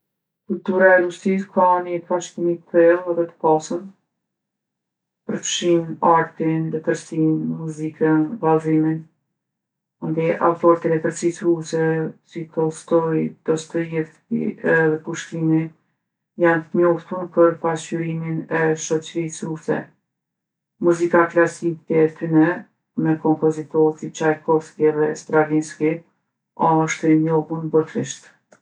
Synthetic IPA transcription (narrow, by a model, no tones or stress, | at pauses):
kult̪uɾaɛlussiskanit̪faʃkimit̪θɛlˠəðɛt̪ə̥pasən | pəɾfʃinaɾt̪inlɛt̪əɾsinmuzikənvazimin | ɔnd̪iʔa̰fɔɾt̪ilɛt̪əɾsisɾusɛsit̪ɔst̪ɔjd̪̥ɔst̪ɔjɛ | ḭɛðɛpuʃt̪imi | jant̪əɲɔft̪t̪unpəɾpasyɾiminɛʃɔt͡ʃɾisɾusɛ̰ | muzikaklasikɛt̪ynɛ | mɛkɔmpɔzit̪ɔɾsip̚t͡ʃajkɔfskiɛðɛst̪ɾalinski | aʃt̪əɲɔɣunbɔt̪ɾiʃt̪